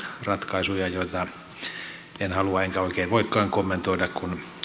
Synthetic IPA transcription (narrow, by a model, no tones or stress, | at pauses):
rɑt̪kɑisujɑjoit̪ɑ | enhɑluɑeŋkæoikeːnʋoikːɑːŋkomːent̪oidɑkkun